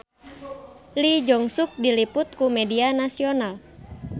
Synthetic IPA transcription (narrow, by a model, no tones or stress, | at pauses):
lid͡ʒɔŋsuk̚dilipʊt̪̚kumɛdianasional